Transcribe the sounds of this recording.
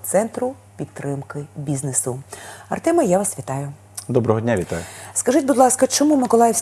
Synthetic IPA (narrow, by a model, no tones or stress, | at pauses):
t̪sɛnt̪ɾʊ | pʲid̪t̪ːɾɪmkɪbʲiznesʊɐ̰rt̪ɛmɐjaʋɐsʋʲit̪ɑjʊ | d̪ɔbɾɔɦɔdʲnʲaʋʲit̪ajʊskɐʒɪt̚ʲbud̪lˠɑskɐt͡ʃɔmumɪkɔlˠɑjɪwsʲ